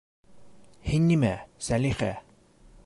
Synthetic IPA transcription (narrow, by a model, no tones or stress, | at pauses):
hinːimæ̰sæliχæ̰